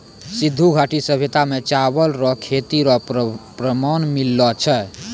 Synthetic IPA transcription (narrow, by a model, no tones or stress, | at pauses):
sid̪ʱːuɡʱaʈisəbʱet̪amet͡ʃabəlɾɔkʰet̪iɾɔpɾəmanmilːɔt͡ʃʰɛ